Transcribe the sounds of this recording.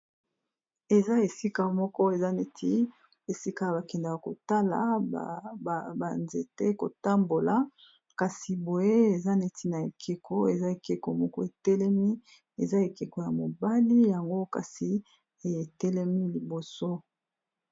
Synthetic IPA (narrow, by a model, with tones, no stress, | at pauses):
e˨za˦e˨si˦ka˦mɔ˦kɔ˦e˨za˦ne˨tʰi˦ | e˨si˦ka˦a˨ba˨kɛ˨nda˨ka˨ko˨ta˦la̰˨ | ba˨nze˨te˦ko˨ta˦mbo˨la˨ | ka˨si˨bo˨je˦e˨za˦ne˨ti˦na˨e˨kʰe˨kʰo˦e˨za˦e˨ke˨ko˨mɔ˦kɔ˦e˨tɛ˦lɛ˦mi˦ | e˨za˦e˨ke˨ko˨ja˨mo˨ba˦li˦ja˨ŋɡo˦ka̰˨si˨ | e˨tɛ˦lɛ˦mi˦li˨bo˨so˦